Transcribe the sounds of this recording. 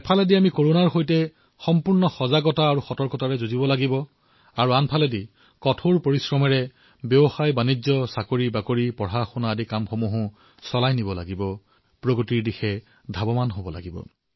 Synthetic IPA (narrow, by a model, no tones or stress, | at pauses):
pʰalɛdiamikoɹonaɹxojtɛ | xɔmpuɹnɔxɔzaɡɔtaːɹuxɔtɔɹkɔtaɹɛzozibɔlaɡibɔ | aɹuanpʰalɛdi | kɔtʰoɹpoɹisɹɔmɛɹɛ | beɔxajbanizɔsakoɹibakoɹipɔɹaxunaːdikamxomuɦʊ̃ | sɔlajnibɔla̰ɡibɔ | pɹoɡotiɹdixɛ | dʱabɔmanɦobɔla̰ɡibɔ̰